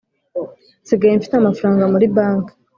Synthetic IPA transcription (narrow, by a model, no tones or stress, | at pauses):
nsiɡajeɱfi̥teamafaɾaːŋɡamuɾibaːŋka